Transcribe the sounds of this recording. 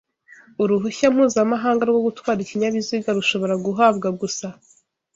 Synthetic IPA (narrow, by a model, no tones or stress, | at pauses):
uɾuɦuçam̥huːzamaɦaːŋɡaɾɡwo̞ɡutwaːɾiciɲaβiziɡaɾuʃo̞βoɾaɡuɦabɡaɡusa